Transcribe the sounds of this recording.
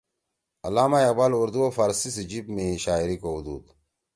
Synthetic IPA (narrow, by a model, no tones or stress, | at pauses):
ɐlaːmajɐqbaːluɾd̪uofaɾsised͡ʑibmeɕaːiɾikoud̪ṵːd̪